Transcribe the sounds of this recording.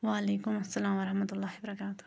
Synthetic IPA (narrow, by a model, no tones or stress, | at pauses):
waʔaleːkʊmɐsːalaːmɑɾˤɑħmat̪lˤːɑːhibɐɾˤɑkaːt̪ʊ̥